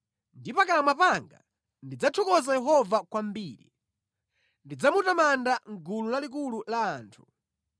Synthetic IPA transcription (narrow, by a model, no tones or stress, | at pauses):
ndipakalamapaŋɡa̰ | ndid͡zatʰɔkɔzajɛɦɔvakwambiːɾḭ | ndid͡zamutamandaŋɡululalik̬ululaːntʰu̥